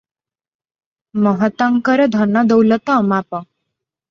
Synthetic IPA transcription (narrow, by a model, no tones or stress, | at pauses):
məɦət̪əŋkəɾəd̪ʱənːad̪əwlət̪əːmapə